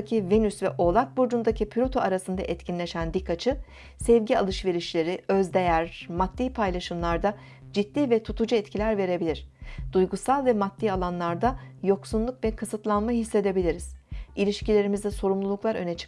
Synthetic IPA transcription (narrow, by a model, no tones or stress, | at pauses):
cʰive̞nysvɛʔo̞lˠak̚buɾd͡ʒund̪acʰipʰlʲot̪ʰoaɾasɯnd̪a̰ʔɛt̪cʰinlʲeʃænd̪ikːat͡ʃʰɯ | sɛvɟia̰lˠɯʃve̞ɾiʃlʲe̞ɾiøzd̪ejæɾmat̪ːiːpʰajlˠaʃɯmlˠaɾd̪a | d͡ʒid̪ːiːvɛt̪ʰut̪ʰud͡ʒɯɛt̪cʰilʲæɾve̞ɾe̞bilʲiɾ̥d̪̥ujɡusalˠvɛmat̪ːiːalˠanlˠaɾd̪ajo̞ksunlˠukvɛkʰɯsɯt̪lˠanmaɦisːe̞d̪e̞bilʲiɾiz̥ilʲiʃcilʲe̞ɾimizd̪ɛso̞ɾumlˠulˠuklˠaɾø̞̰nɛt͡ʃʰɯ̥